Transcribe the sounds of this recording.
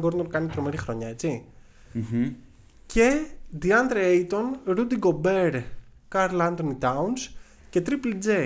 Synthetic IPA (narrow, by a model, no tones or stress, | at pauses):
ɡoɾnolkɐnit̪ɾo̞me̞ɾixɾo̞ɲɐe̞t͡si | ce̞d̪iɐnd̪ɾeejt̪o̞nɾud̪iɡo̞beɾ | kaɾlɐnd̪onit̪ɐuns | ce̞t̪ɾiplid͡ze